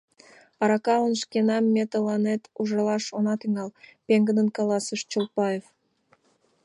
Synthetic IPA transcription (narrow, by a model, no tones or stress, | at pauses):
ɑɾɑkɑlənʃkenɑmːet̪əlɑnet̪uʒɑlɑʃonɑt̪yŋɑlpeŋɡəd̪ə̆nkɑlɑsəʃt͡ɕolpɑjef